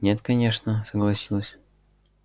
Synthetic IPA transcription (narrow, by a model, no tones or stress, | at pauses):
nʲet̪kɐnʲeʂnəsəɡlˠɐsʲilˠəsʲ